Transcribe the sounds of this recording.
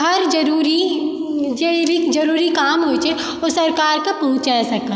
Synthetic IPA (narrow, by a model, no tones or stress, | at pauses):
ɐɾd͡ʒɐɾuːɾi | d͡ʒeɾid͡ʒɐɾuːɾikaːmɦot͡ʃʰɛ | osɐɾkaːɾkapɐɦʊ̃t͡ʃaːsɐka